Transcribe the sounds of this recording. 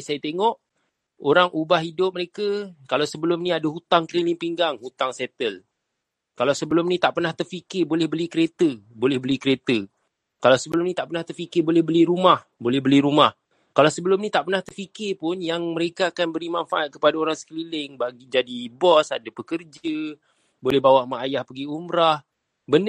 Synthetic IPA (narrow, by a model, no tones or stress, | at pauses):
sajat̪eŋɔʔ | oɾaŋʔubahidʊp̚məɾekakalawsəbəlʊmnĩadaɦut̪aŋkəlilɪŋpiŋɡaŋhut̪aŋsɛt̪əl | kalawsəbəlʊmnit̪aʔpərnaht̪ərfikɪrbolɛhbəlikəɾet̪əbolɛhbəlikəɾet̪ə | kalawsəbəlʊmnĩt̪aʔpərnaht̪ərfikɪrbolɛhbəliɾumah | bolɛhɦbəliɾumah | kalawsəbəlʊmnit̪aʔpənaht̪ərfikɪrpʊnjaŋməɾekaːkanbəɾimanfaʔat̪̚kəpadaoɾaŋsə̥kəlilɪŋbaɡid͡ʒadibɔsadapəkərd͡ʒə | bolɛhbawaʔmaajahpəɡiumɾah | bən